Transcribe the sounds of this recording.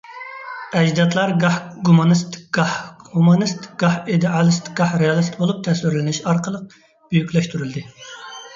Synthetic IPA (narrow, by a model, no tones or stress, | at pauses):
ɛd͡ʒd̪ɑt̪lˠɑɾɡɑhɡumɑnɨst̪ʰɡ̥ɑhhumɑnɨst̪ɡ̥ɑhid̪ɪɑlˠɨst̪ʰɪkɡ̥ɑhɾejɑlˠɨst̪bolˠup̚t̪ʰɛswɪɾlɪnɪʃɑɾqəlˠəq̚ | b̥yjykʲlɛʃt̪ʰyɾyld̪ɪ